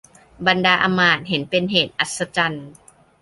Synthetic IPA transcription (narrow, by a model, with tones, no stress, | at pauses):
ba˧ndaː˧ʔa˧maː˨˩t̪̚ɦe˩˦npe˧nɦeː˨˩t̪̚ʔa˨˩t̪̚sa˧t͡ɕa˧n